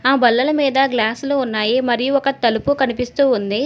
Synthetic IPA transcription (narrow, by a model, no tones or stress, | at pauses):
aːbɐlːɐlɐmiːd̪ɐɡlaːsluunːaːjimɐɾijuɔkɐt̪ɐlupukɐnipist̪uːund̪i